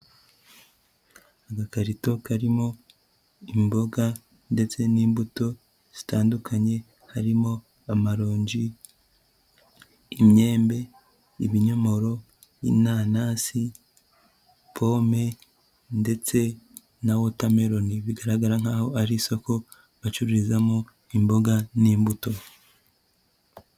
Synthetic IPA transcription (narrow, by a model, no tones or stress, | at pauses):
aɡakaɾito̞kaɾimo̞ | imbo̞ɡa | nde̞t͡se̞niːmbuto̞ | z̥i̥taːndukʰaɲe̞ | haɾimo̞ | amaɾoːɲɟi | mɲe̞ːmbe̞ | iβiɲomo̞ɾo̞ | ḭnaːnasi | pʰo̞me̞ | nde̞t͡se̞ | nawo̞tame̞ɾo̞niβiɡaɾaɡaɾaŋ̥haːho̞aɾiso̞ko̞ | βat͡ʃuɾiɾizamo | imbo̞ɡaniːmbuto̞